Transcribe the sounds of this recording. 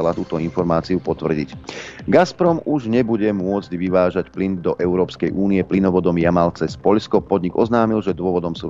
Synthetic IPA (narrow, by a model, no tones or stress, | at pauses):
alat̪uːt̪ɔinfɔɾmaːt͡siupɔt̪ʋr̩ɟḭcɡaspɾɔmuʒɲɛbuɟɛmʊɔd͡zɟʋiʋaːʒacplind̪ɔʔɛʊɾɔːpskɛjʔuːnijɛplinɔʋɔd̪ɔmjamalt͡sɛspɔʎskɔpɔd̪ɲiɡɔznaːmilʒɛd̪ʊɔʋɔd̪ɔmsuː